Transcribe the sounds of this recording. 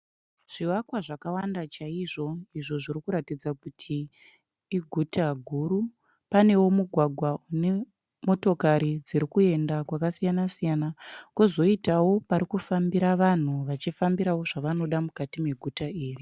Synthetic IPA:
ʐ̥iwakwaʐakawandat͡ʃaiʐo̞iʐo̞ʐirikuɾatid͡zakutʰiː | ɡʱutaɡʱuɾu | pane̞wo̞muɡʱwaɡʱwaune | mo̞to̞kaɾid͡ziɾikue̞ndakwakasijanasijanakuzo̞itawo̞paɾikufambiɾaʋan̤uʋat͡ʃifambiɾawo̞ʐaʋano̞ɗamukatimeɡʱutaiːri

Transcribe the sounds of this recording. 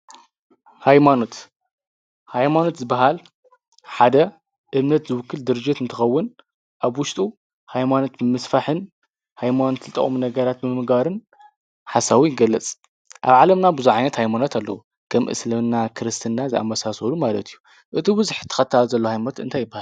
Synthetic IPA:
hajmano̞t̪ | hajmano̞t̪zɨbaɦal | ħad̪ɐ | ʔɨmnɐt̪zɨwɨkʰːɨld̪ɨɾɨd͡ʒɪt̪ɨnt̪ʰɨxɐwːɨn | ʔaβwʊʃt̪ʼu | hajmano̞t̪mɨmɐsfaħɨn | hajmanot̪zɨt̪ʼɐ̰χʼminɐɡɐɾat̪̚mɨmɨɡaɾɨn | ħasawijɡɐlːɐt͡sʼ | ʔa̰βʕalɐmnabɨzuʕajnɐt̪hajmanot̪ʰalːɐ̰wu | kʰɐmʔʔɨ̰slɐβnːakʰɨɾɨst̪ʰɨnːazɨa̰mbɐsasɐlumalɐt̪ʰijːu | ʔɨt̪ʰibɨzħt̪ʰːɐ̥xɐt̪ʰːalzɐlːohajmanot̪ɨnt̪ʰajːɪbːahal

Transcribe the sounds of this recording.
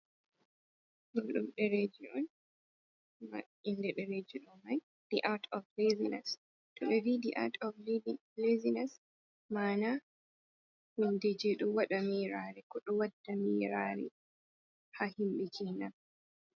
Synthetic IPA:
ʔoɗumɗɛɾed͡ʒiɗɔn | ma̰ | indɛɗɛɾed͡ʒiɗɔmaj | d̥iʔaɾtʰɔvlezinɛs | tɔɓɛvidiʔa̰ɾtʰɔvl | lezinɛs | maːna | hindid͡ʒiɗɔwaɗamiɾaːɾɛkɔɗɔwadːamiːɾaːɾɛ̰ | hahimɓid͡ʒinan

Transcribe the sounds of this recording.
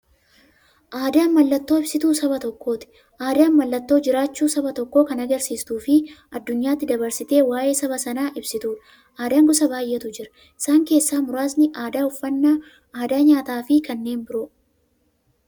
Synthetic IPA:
ʔaːd̪aːnmɐlːɐt̪ːo̞ːɪb̥sɪt̪uːsɐbɐt̪ɔkːo̞ːt̪ɪ̥ | ʔaːd̪aːnmɐlːɐt̪ːo̞ːd͡ʒɪɾaːt͡ʃːuːsɐbɐt̪ɔkːo̞ːkɐnɐɡɐɾsiːst̪uːfɪʔɐd̪ːʊɲːaːt̪ːɪd̪ɐbɐɾsɪt̪e̞ːwaːje̞ːsɐβɐsɐnaːʔɪbsɪt̪uːᶑ̪ɐ̥ | ʔaːd̪aːŋɡʊsɐbaːjʔɛt̪ʊd͡ʒɪɾɐ̥ | ɪ̥saːŋke̞ːsːaːmʊɾaːsnɪʔaːd̪aːʊfːɐnːaː | aːd̪aːɲaːt̪aːfɪkɐnːe̞ːnbɪɾoː

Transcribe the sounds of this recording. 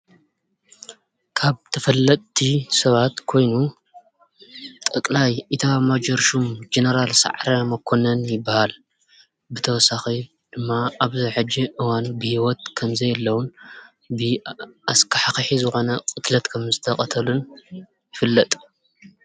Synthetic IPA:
kʰaβt̪ʰɐfɐlːɐt̪ʰːisɐβat̪kʰo̞jnu | t̪ʼɨkʼlajit̪ʰamad͡ʒɐɾʃumd͡ʒenɐɾalsa̰ʕɾɐmɐkʰːonɐnjɪbːahal | bɨt̪ʰɐwɔsaxi | d̪̥ɨmːaaβzɐʕɨd͡ʒːiʔɨwanubɨhiwɔt̪̚kʰɐmzɐjlːɐwun | bɨaskʰaħaxħizɨxo̞nɐkʼɨt̪lɐt̪kʰɐmzɨt̪ʰɐkʼɐt̪ʰɐlun | jɪfɨlːɐt̪ʼ

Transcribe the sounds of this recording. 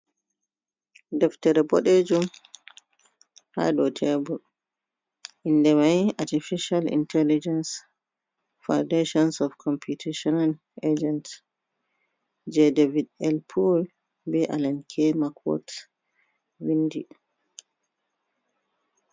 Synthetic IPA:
dɛftɛɾɛbɔɗed͡ʒum | ha̰ɗɔtʰɛbul | ʔindɛmajatifiʃalḭntʰɛlid͡ʒɛns | fawdeʃɔnsɔfkʰɔmpʰutʰeʃɔnal | ed͡ʒɛnt | d͡ʒɛdevidɛlpʰul | bɛʔalankʰɛmakʰwɔ̰t | windi

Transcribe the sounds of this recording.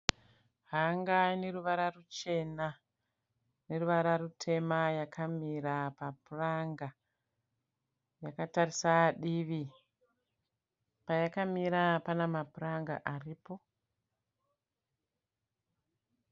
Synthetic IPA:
ɦaŋɡaine̞ɾuʋaɾarut͡ʃe̞na | ne̞ruʋaɾarutʰe̞majakʰamiɾapapuraŋɡa | jakatarisaɗiʋi | pajakamiɾapanamapuraŋɡa̰ʔariːpo̞

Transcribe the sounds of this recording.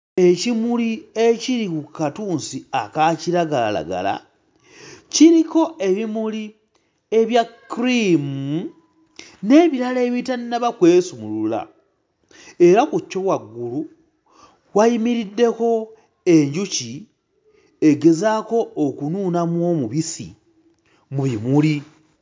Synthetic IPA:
e̞cimulie̞ciɾikukatuːnsiakaciɾaɡalala̰ɡa̰la̰ | ciɾiko̞e̞βimuli | e̞βjakːɾimu | ne̞ːβiɾaleːβitannaβakwe̞ːsumulula̰ | e̞ɾakucːo̞waɡːulu | wajimiɾidːe̞ko̞ | eɲɟuci | e̞ɡe̞zako̞ːkunuːnamwo̞muβisḭ | muβimuli

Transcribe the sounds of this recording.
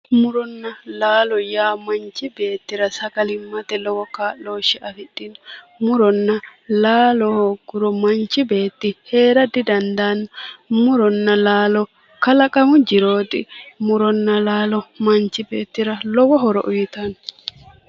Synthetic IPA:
mʊɾɔnːɐlaːlɔjaːmɐnt͡ʃːɪbe̞ːt̪ːɪɾɐsɐɡɐlɪmːɐt̪ɛlɔwɔkaːʔo̞ːʃːɪʔɐfɪɗːɪn | mʊɾɔnːɐlaːlɔhɔɡʊɾɔmɐnt͡ʃːɪbe̞ːt̪ːɪhe̞ːɾɐd̪ɪd̪ɐnd̪anːɐmʊɾɔnːɐlaːlɔ | kɐlɐkʼɐmʊd͡ʒɪɾo̞ːt̪ɪmʊɾɔnːɐlaːlɔmɐnt͡ʃːɪbe̞ːt̪ːɪɾɐlɔwɔɦɔɾɔʔʊjɪt̪ɐn

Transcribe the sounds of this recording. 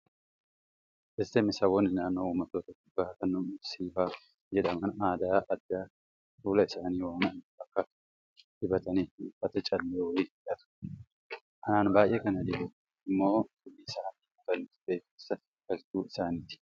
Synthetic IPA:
ʔɛsːɛmɪsɐwɔnɪnaːnːouːmɐt̪ːoːt̪ɐt̪ːɪ̥baːkɐnːʊmsiːfaː | jɛᶑɐmɐnaːd̪aːʔɐd̪ːaː | fuːlɐɪsaːniːwaːnɐnbɐkːɐ | hɪbɐt̪ɐniːtːfɐt̪ɐt͡ʃʼɐlːeːwɔliːᶑɐt̪ʊ̥ | ʔɐnaːnbaːʔeːkɐnɐd̪ɪɛ | ɪmːo̞ːɡʊʔːiːsaːnɪʊt̪ɐnbeːfɪsɐ | ɡ̥ɐlt̪uːɪsaːnit̪ɪ̥

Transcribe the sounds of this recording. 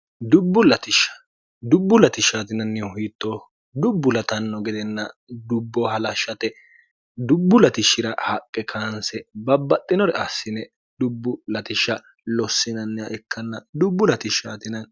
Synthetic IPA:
d̪ʊbːʊlɐt̪ɪʃɐ̥ | d̪ʊbːʊlɐt̪ɪʃːaːt̪ɪnɐnːɪɔɦiːt̪ːoː | d̪ʊbːʊlɐt̪ɐnːɔɡɛd̪ɛnːɐd̪ʊbːɔɦɐlɐʃːɐt̪ɛ | d̪ʊbːʊlɐt̪ɪʃːɪɾɐhɐkʼːɛkʰansɛbɐbːɐt̪ʼːɪnɔɾɛʔɐsːɪnɛ | d̪ʊbːʊlɐt̪ɪʃːɐ | lɔsːɪnɐnːɛɐʔɛkʰːɐnːɐd̪ʊbːʊlɐt̪ɪʃːaːt̪ɪnɐn

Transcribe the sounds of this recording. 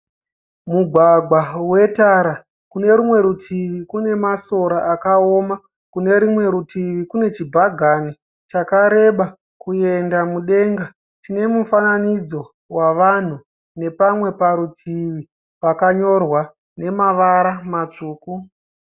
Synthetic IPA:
muɡʱwaɡʱwawe̞taɾa | kune̞ɾumwe̞ɾutʰiʋikune̞maso̞ɾaʔakao̞ːma | kune̞ɾimwe̞ɾutʰiʋikune̞t͡ʃibʱaɡʱani | t͡ʃakaɾe̞ɓa | kue̞ndamuɗe̞ŋɡa | tine̞mufananid͡zo̞ | waʋan̤u | ne̞pamwe̞paɾutʰiʋi | pakaɲo̞rwa | ne̞maʋaɾamat͡ʂuːku

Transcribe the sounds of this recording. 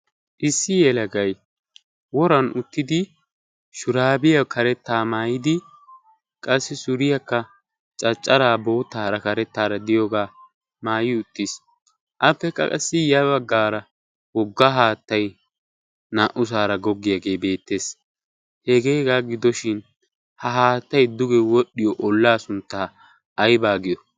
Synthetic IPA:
ʔɪsːɪjɛlɐɡɐj | wɔɾɐnʊt̪ːɪd̪ɪ | ʃʊɾaːbɪjɐkʰɐɾɛt̪ːaːmaːjɪd̪ɪ | kʼɐsːɪsʊɾɪjɐkːɐ | t͡ʃʼɐt͡ʃʼːɐɾaːbo̞ːt̪ːaːɾɐkɐɾɛt̪ːaːɾɐd̪ɪjoːɡaː | maːjɪʊt̪ːɪs | ʔɐpːɛkʼɐ̰kʼɐ̰sːɪjɐβɐɡːaːɾɐ | wɔɡːaɦaːt̪ːɐj | naːʔʊs̬aːɾɐɡɔɡːɪjɐɡe̞ːbe̞ːt̪ːe̞ːs | hɛɡeːɡaːɡɪd̪ɔʃɪn | hɐɦaːt̪ːɐjd̪ʊɡɛwɔɗːɪjɔʔɔlːaːsʊnt̪ːaː | ʔɐjbaːɡɪjɔ

